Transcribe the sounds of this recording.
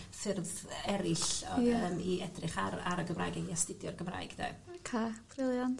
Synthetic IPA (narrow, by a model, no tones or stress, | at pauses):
fɪrðɛɾɪɬəmiʔɛdrɪχaɾaɾəɡəmrajɡɛiastɪdjɔrɡəmra̰jɡ̥d̥ɛ̰kʰafʰrɪlˠjan